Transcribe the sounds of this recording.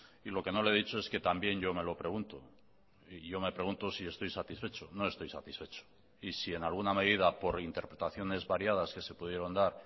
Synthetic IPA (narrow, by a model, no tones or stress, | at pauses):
ilo̞ke̞no̞leð̞it͡ʃo̞e̞ske̞t̪ambje̞ɲʝo̞me̞lo̞pɾe̞ɣ̞unt̪o | iʝo̞me̞pɾe̞ɣunt̪o̞sie̞st̪o̞jsat̪isfe̞t͡ʃo̞no̞est̪o̞jsa̰t̪isfe̞t͡ʃo̥ | isie̞nalɣuname̞ð̞ið̞apo̞ɾint̪e̞ɾpɾe̞t̪aθjo̞ne̞zβaɾjað̞aske̞se̞puðje̞ɾo̞nd̪aɾ